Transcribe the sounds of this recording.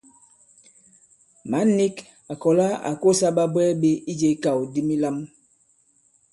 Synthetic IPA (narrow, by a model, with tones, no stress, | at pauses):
ma˨˦ni˦k | a˨kɔ˨la˦a̰˨ko˦sa˦ba˦bɛ˦be˦i˦d͡ʒe˨˦ka˨wdi˦mi˦la˦m